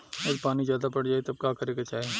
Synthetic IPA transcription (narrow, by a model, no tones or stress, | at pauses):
ɐd̪paːnizjaːd̪apɐɽd͡ʒaːet̪ɐb̚kaːkɐɾekɐt͡ʃaːeː